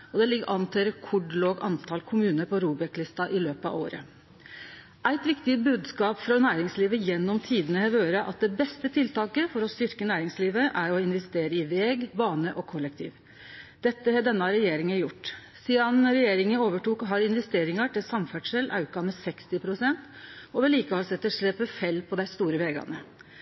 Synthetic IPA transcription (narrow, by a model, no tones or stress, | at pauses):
ɔd̪ɛlɪɡʔɑnt̪ʰeːɾəkʰʊɖloːɡɑ̰nt̪ʰɑlkʰʊmʉːnəɾpʰɔɾuːbɛklɪst̪ɑʔɪløːpɑ̰ʋo̰ːɾə̰ | ʔæɪt̪ʋɪkt̪ɪbʉːd̪skɑːpfɾɑnæːɾɪŋsliːʋəjɛnːɔmt̪ʰiːd̪ənəhɛʋøːɾəʔɑ̰t̪̚d̪ɛbɛst̪ət̪ʰɪlt̪ɑːkəfɔɾɔst̪ʏɾkənæːɾɪŋsliːʋəʔæɾɔɪnʋɛst̪eːɾəɪʋeːɡbɑːɳəʔɔkʰɔlːɛk̚t̪ʰḭːʋ | d̪ɛt̪ːəhɑɖ̪ɛnːɑɾɛjeːɾɪŋəjʊʈː | siːɑnɾɛjeːɾɪŋənoːʋəʈuːkɦɑɾɪnʋɛst̪eːɾɪŋɑʈʰɪlsɑmfæʈʂɛlʔɑ̰ʉkɑmɛsɛkst̪ɪpʰɾʊsɛnt̪ɔʋɛliːkəʋɛlsɛt̪ːəʂɭɛːpəfɛlːpʰɔd̪æɪst̪uːɾəʋɛːɡɑ̰nə̰